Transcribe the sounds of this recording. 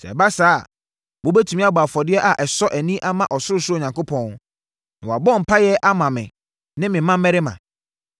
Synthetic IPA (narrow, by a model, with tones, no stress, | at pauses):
sɛ̰˨ba˦saː˦˨ | wo˨˦bɛ˦tʰu˨mĩ˦a˦ba˨fɔ˨dɪ˦ɛ˦ʔa˨ʔɛ˨sɔ˦ʔæ˨nĩ˦ʔa˦mã˦ʔɔ˨sʊ˦ɾʊ˦sʊ˦o˦˨ɲã˨ŋko˦pʰɔ̃˦n | nɪ̃˨wa˨bɔ̃˦˨m̩˨pʰa˦jɛ˦ʔa˦mã˨mɪ̰̃˨ | nɪ̃˦mɪ̃˨mã˦mɛ˦ɾɪ˦mã̰˨